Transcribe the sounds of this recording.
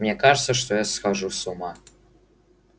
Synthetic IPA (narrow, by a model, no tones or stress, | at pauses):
mnʲɛkɑʐət̪səʂt̪ojaskaʐusumɑ